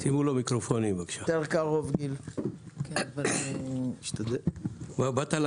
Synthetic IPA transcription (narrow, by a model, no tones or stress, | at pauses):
simulomikʁofonimbaɡʃateʁkaʁovɡilkenava | ʃt̪ad̪ebabat̪al